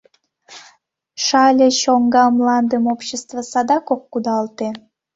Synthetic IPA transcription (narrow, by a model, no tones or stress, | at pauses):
ʃɑlʲeɕoŋɡɑmlɑnd̪əmopɕest̪vəsɑd̪ɑkokːud̪ɑlt̪e